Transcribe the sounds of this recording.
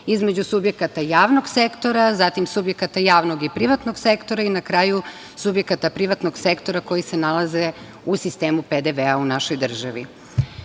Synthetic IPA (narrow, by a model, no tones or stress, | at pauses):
izme̞d͡ʑusubjekat̪ajaːʋno̞ɡsekt̪o̞ɾazat̪imsubje̞kat̪ajaːʋnoɡipɾiʋat̪no̞ɡse̞kt̪o̞ɾainakɾaːju | subje̞kat̪apɾiʋat̪no̞ɡse̞kt̪o̞ɾako̞jise̞nalˠaze̞ | usist̪e̞ːmuped̪eʋeaunaʃo̞jd̪r̩ʒaʋḭ